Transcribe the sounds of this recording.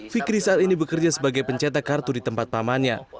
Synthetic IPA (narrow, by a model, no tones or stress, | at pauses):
fikɾisaʔat̪inibəkərd͡ʒasəbaɡajpəɲt͡ʃɛt̪akart̪udit̪əmpat̪̚pamanɲa̰